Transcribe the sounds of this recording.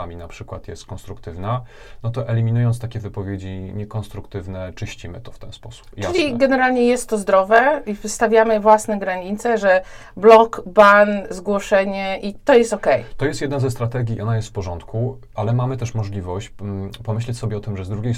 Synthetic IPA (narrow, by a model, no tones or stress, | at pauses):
amʲinapʂɘkwat̪jɛst̪kɔnst̪ɾukt̪ɘvna | nɔt̪ɔʔɛlʲimʲinujɔnt̪t̪akʲɛvɘpɔvʲjed͡ʑiɲɛkɔnst̪ɾukt̪ɘvnɛt͡ʂɘɕt͡ɕimɘ̰t̪ɔft̪ɛ̰nspɔsu̥pt͡ʂɘlʲiɡɛnɛɾalɲɛjɛst̪ːɔzd̪ɾɔvɛivɘst̪avʲjamɘvwasnɛɡɾaɲit̪sɛʐɛ | blɔkbanzɡwɔʂɛɲɛʔit̪ɔjɛst̪ɔkɛjt̪ɔjɛst̪jɛd̪nazɛst̪ɾat̪ɛɡʲiiʔɔnajɛst̪fpɔʐɔnt̪ku | alɛmamɘt̪ɛʂmɔʐlʲivɔɕt͡ɕpɔmɘɕlɛt͡ɕsɔbʲɛɔt̪ɘmʐɛzd̪ɾuɡʲej